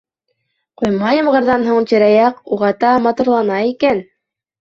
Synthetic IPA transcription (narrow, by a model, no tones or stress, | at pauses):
qujmɑjɤmɢɤ̆ɾðɑnɦoɴt̪iɾæjɑquʁɑt̪ɑmɑt̪uɾlˠɑnɑikæn